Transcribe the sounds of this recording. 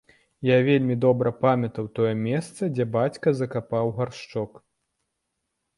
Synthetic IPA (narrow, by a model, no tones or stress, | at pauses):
javʲelʲmʲid̪ɔbɾɐpamʲɐt̪ɐwt̪ɔjɛmʲɛst̪sɐd͡zʲɛbat͡sʲkɐzɐkapawɣarʂt͡ʂɔk